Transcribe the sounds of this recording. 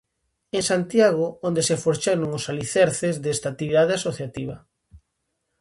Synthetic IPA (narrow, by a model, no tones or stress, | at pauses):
eŋsant̪jaɣoond̪esefoɾt͡ʃeɾoŋosaliθɛɾθezðest̪at̪iβiðaðeasoθjat̪iβɐ